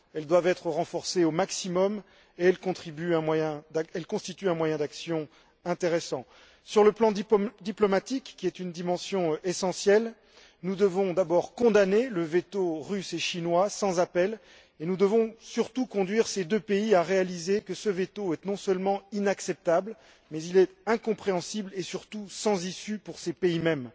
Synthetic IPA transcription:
ɛld̪wavɛt̪χəʁɑ̃fɔʁseomaksimɔm | eɛlkɔ̃t̪χibyɛ̃mwajɛ̃d̪aɛlkɔ̃st̪it̪yɛ̃mwajɛ̃d̪aksjɔ̃ | ɛ̃t̪eʁesɑ̃ | syʁləplɑ̃d̪id̪iplɔmat̪ikːiɛt̪ynd̪imɑ̃sjɔ̃esɑ̃sjɛl | nud̪əvɔ̃d̪abɔʁkɔ̃d̪aneləvet̪oʁyseʃinwasɑ̃zapɛl | enud̪əvɔ̃syʁt̪ukɔ̃d̪ɥiʁsed̪øpeiaʁealizekəsəvet̪oɛnɔ̃sœlmɑ̃inaksɛp̚t̪abl | mɛzilɛt̪ɛ̃kɔ̃pχeɑ̃siblesyʁt̪usɑ̃zisypuʁsepeimɛm

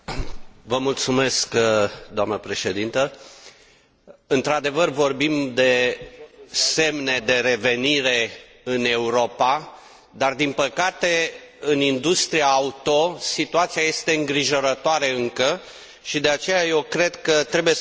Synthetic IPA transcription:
vəmult̪sume̞skd̪oamnəpɾe̞ʃe̞d̪int̪ə | ɨnt̪ɾad̪e̞vərvo̞rbimd̪e̞ | se̞mne̞d̪e̞ɾe̞ve̞niɾe̞ | ɨne̞uɾo̞pa | d̪ard̪inpəkat̪e̞ɨnind̪ust̪ɾiaːut̪o̞sit̪uat̪sijaje̞st̪e̞ɨŋɡɾiʒo̞ɾət̪oaɾe̞ɨŋkə | ʃid̪e̞at͡ʃe̞jaje̞wkɾe̞d̪kət̪ɾe̞buje

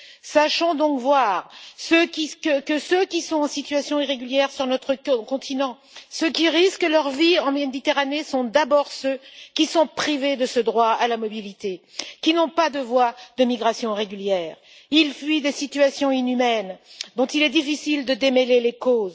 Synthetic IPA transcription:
saʃɔ̃d̪ɔ̃kvwaʁsøkʲikəkəsøkʲisɔ̃t̪ɑ̃sit̪yɥasjɔ̃iʁeɡʲyljɛʁsyʁnɔt̪χəkɔ̃t̪ʰinɑ̃ | səkʲiʁiskəlœʁviɑ̃med̪it̪eʁanesɔ̃d̪abɔʁsøkʲisɔ̃pχived̪əsəd̪ʁwaalamɔbilit̪ekʲinɔ̃pad̪əvwad̪əmiɡʁasjɔ̃ʁeɡʲyljɛːʁ | ilfɥid̪esit̪yasjɔ̃inymɛnd̪ɔ̃t̪ilɛd̪ifisild̪əd̪emɛlelekoz

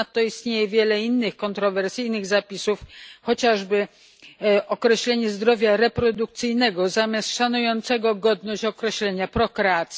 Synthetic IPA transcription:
t̪ːɔist̪ɲejɛvʲjɛlɛinːɘxkɔnt̪ɾɔvɛɾsɘjnɘɣzapʲisufxɔt͡ɕaʐbɘ | ʔɔkɾɛɕlɛɲɛzd̪ɾɔvʲjaɾɛpɾɔd̪uk̚t̪sɘjnɛɡɔzamʲjast̪ʂanujɔnt̪sɛɡɔɡɔd̪nɔɕt͡ɕɔkɾɛɕlɛɲapɾɔkɾɛat̪sʲ

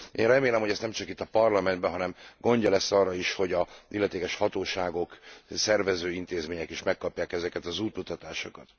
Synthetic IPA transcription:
ʔeːnrɛmeːlɛmho̞ɟɛst̪ɛmt͡ʃɒkit̪ːɒpɒrlɒmɛnd̪bɛɦɒnɛmɡo̞ɲɟɒlɛsːɒrːɒiʃho̞ɟɒilːɛt̪eːkɛʃhɒt̪oːʃaːɡo̞ksɛrvɛzøːint̪eːzmeːɲɛkeːʃmɛkːɒpjaːkɛzɛkɛt̪ɒzuːt̪mut̪ɒt̪aːʃokɒt̪

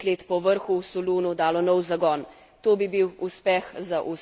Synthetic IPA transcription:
leːt̪pɔʋəɾxuwsɔluːnud̪aːlɔnɔwzaɡɔːn | t̪oːbibiwuspɛxzaʔu

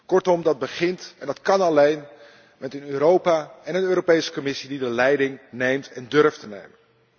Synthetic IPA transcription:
kɔɹtɔmdɑd̚bəχɪntɛndɑtkɑnɑlejn | mɛtənøːɾowpaːɛnənøːɾopejsə̥kɔmɪsididəlɛjdɪŋnejmtɛndɵɹftənḛjmən

